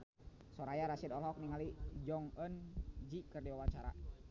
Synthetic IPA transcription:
sɔɾajaɾasidɔlɦɔk̚niŋalid͡ʒɔŋənd͡ʒikərdiwawat͡ʃaɾa̰

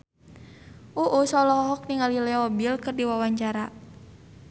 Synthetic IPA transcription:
ʔuʔusɔlɔɦɔɦɔk̚niŋalilɛɔbilkɨrdiwawaɲt͡ʃaɾa

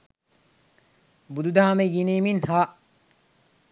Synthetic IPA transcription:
bud̪ud̪aːmeɡiniːminhaː

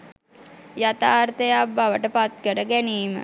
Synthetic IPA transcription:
jat̪aːrt̪əjabaʋəʈəpat̪kəɾəɡæniːmə̰

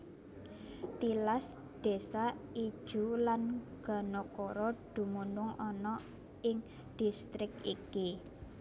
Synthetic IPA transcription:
t̪ilas | d̪̥e̤sai̥ʒ̥ṳlanɡ̥a̤nɔkɔɾɔd̪̥ṳmunʊŋɔnɔ | ɪŋ | d̪̥i̤st̪ɾɪk̚iki

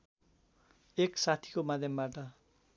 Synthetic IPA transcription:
eksat̪ʰi̥komad̪ʱjʌmbaʈʌ

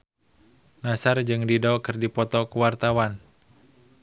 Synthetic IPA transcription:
nasard͡ʒɨŋdidɔkɨrdipɔt̪ɔkəwart̪awan

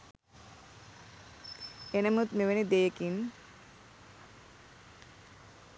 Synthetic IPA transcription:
enəmut̪meʋenid̪ejekin

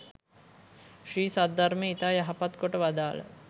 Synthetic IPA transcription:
ʂiːsad̪aɾmeit̪aːjaɦapat̪koʈəʋad̪aːlə̰

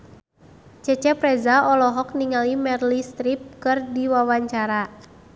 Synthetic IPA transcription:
t͡ʃɛt͡ʃɛpɾɛzaɔlɔɦɔk̚niŋalimɛrlist̪ɾip̚kɨrdiwawaɲt͡ʃaɾa

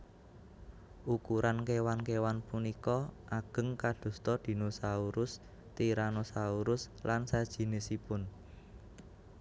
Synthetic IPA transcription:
ʔukuɾʔankewankewanpunikɔʔaɡ̥ə̤ŋkad̪̥ṳst̪ɔd̪̥i̤nosauɾʊs | t̪iɾanosauɾʊslansad̥ʒ̥i̤nɪsipʊn

